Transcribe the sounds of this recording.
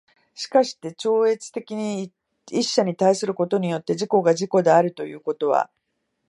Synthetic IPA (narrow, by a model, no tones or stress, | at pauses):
ɕi̥kaɕi̥t̪e̞t͡ɕo̞ːe̞t͡sɨ̥t̪e̞kʲiɲ̟i | iɕːaɲ̟it̪aisɨɾɯ̟ko̞t̪o̞ɲ̟ijo̞t̪ːe̞ʑiko̞ɡaʑiko̞d̪e̞aɾɯ̟t̪o̞jɯ̟ːko̞t̪o̞β̞a̰